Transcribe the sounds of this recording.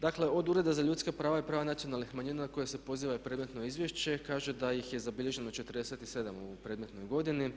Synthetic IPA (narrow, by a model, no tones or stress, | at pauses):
d̪akle̞o̞d̪uɾe̞d̪azaʎuːt̪skapɾaːʋajipɾaːʋanat̪sijonalnixmaɲiːnanako̞jese̞po̞ziːʋaipɾe̞d̪met̪no̞izʋje̞ʃt͡ɕe̞kaːʒed̪ajixje̞zabiʎe̞ʒe̞no̞t͡ʃe̞t̪əɾ̩d̪e̞set̪i̥se̞d̪amupɾe̞d̪me̞t̪no̞jɡo̞d̪ini